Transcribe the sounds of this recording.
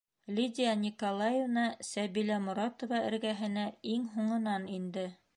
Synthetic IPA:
lʲid̪ʲijɑnʲikolˠɑjevnɑsæβilæmʊ̆ɾɑt̪ŏvɑɘ̰̆ɾɡæɦɘ̆næiŋɦuɴɤ̆nɑnind̪ɘ

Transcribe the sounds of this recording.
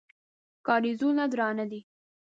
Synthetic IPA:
kɑɾizunad̪ɾɑnad̪i

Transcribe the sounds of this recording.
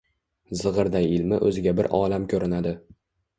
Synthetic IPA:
zɨʁɨɾd̪ajɪlmɪ̰ʔɵ̰zɪɡʲabɪɾʔɒːlamkʲʰɵɾɪnad̪ɪ

